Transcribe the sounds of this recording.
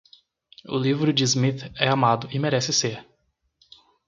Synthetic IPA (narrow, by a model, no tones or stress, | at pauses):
ʊ̰livɾʊd͡ʒɪzmit̪ɛamad̪ʊɪmeɾɛsɪseɾ